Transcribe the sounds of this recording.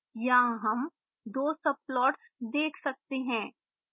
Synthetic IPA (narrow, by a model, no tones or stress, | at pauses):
jaːɦɐm | d̪oːsɐplɔːʈsd̪eːkʰsɐk̚t̪eɦɛ̃ː